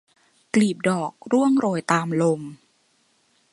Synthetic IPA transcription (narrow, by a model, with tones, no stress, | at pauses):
kliː˨˩p̚dɔː˨˩k̚ɾu˥˩əŋɾoː˧jt̪aː˧mlo˧m